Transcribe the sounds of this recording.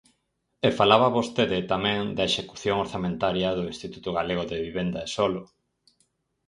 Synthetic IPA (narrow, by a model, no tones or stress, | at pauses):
efalaβaβost̪eðɪt̪amɛ̃ŋd̪ɐeʃeku̥θjoŋoɾθamẽnt̪aɾjɐðʊinst̪it̪ut̪ʊɣaleɣ̞oðeβiβend̪aesolo